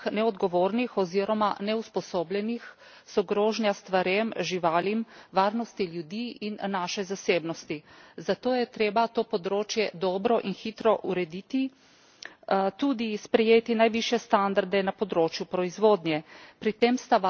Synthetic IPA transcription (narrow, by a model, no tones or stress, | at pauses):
nɛɔd̪ɡɔʋoːɾnixɔziːɾɔmanɛuspɔsoːblɛnix | sɔɡɾoːʒnjast̪ʋaɾemʒiʋaːlimʋaːɾnɔst̪iljud̪iːinːaʃɛzaseːbnɔst̪izat̪oːjɛt̪ɾeːbat̪oːpɔd̪ɾoːt͡ʃjɛd̪ɔːbɾɔʔinxiːt̪ɾɔʔuɾɛd̪iːt̪i | t̪uːd̪ispɾɛjeːt̪inajʋiʃjɛst̪and̪aɾd̪ɛnapɔd̪ɾoːt͡ʃjupɾɔizʋoːd̪nʲjɛpɾit̪emst̪a